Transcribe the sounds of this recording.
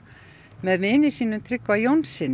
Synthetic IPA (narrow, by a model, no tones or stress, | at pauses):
mɛðmɪːnɪsiːnʏmt̪ʰɾɪkvajownsɪn